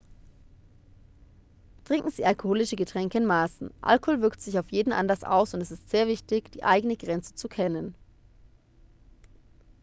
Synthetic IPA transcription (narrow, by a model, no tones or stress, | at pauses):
tʁ̥ɪŋkŋ̩ziːʔalkohoːlɪʃəɡətʁ̥ɛŋkəɪnmaːsn̩ʔa̰lkohoːlvɪɐktz̥ɪç̬aʊfjeːdn̩ʔa̰ndɐsʔa̰ʊsʊntɛsɪstz̥eːɐvɪçtɪçd̥iːʔaɪɡənəɡʁɛnt͡sə̥t͡sukʰɛnən